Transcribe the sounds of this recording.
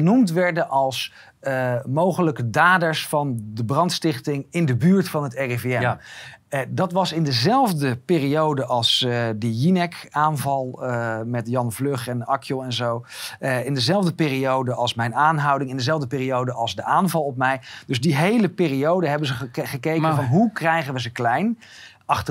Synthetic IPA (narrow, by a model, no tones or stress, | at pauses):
ənumtʋɛɹdənʔɑlˠs | əmowχələkədaːdəɹsfɑndəbrɑntstɪχtɪŋɪndəbyːɹtfɑnɦətɛreveɛm | dɑtʋɑsɪndəzɛlˠvdəpɪːriowdəʔɑlˠsdəjinɛkaːnvɑlˠəmɛtjɑnvløχɛnɑkʰjəlˠɛnzowɪndəzɛlˠvdəpɪːriowdəʔɑlˠsmɛjnaːnɦʌwdɪŋɪndəzɛlˠvdəpɪːriowdəʔɑlˠzdəʔaːnvɑlˠɔp̚mɛjdɵzdiɦejləpɪːriowdəɦɛbənzəχəkejkəəvɑnɦukrɛjχənʋəzəklɛjn | ɑχtə